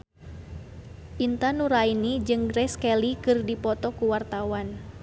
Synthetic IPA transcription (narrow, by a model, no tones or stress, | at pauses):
ʔint̪anuɾainid͡ʒɨŋɡɾɛskɛlikɨrdipɔt̪ɔkuwart̪awan